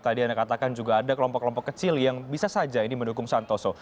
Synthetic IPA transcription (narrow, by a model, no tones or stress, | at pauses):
t̪adiandakat̪akand͡ʒuɡaːdakəlɔmpɔkːəlɔmpɔkːət͡ʃɪljaŋbisasad͡ʒainiməndukʊŋsant̪ɔsɔ